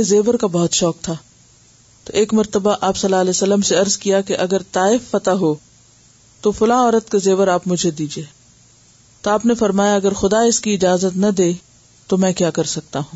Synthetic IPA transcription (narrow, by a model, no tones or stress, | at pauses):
ezeːʋəɾkabɔɦʊt̪ʃɔːk̚t̪ʰaː | t̪oʔeːkmɐɾt̪əbaʔaːpsɐlːaːlɛːsɐlːəmseɐɾzkijakeʔɐɡəɾt̪aːɪfːɐt̪aɦoː | t̪ofʊlãːɔːɾət̪kezeːʋəɾaːpmʊd͡ʒʱed̪iːd͡ʒieː | t̪oaːpnefɐɾmaːjaɐɡəɾxʊd̪aɪskiɪd͡ʒaːzət̪nɐd̪eː | t̪omɛ̃ːkjaːkɐɾsɐk̚t̪aɦũː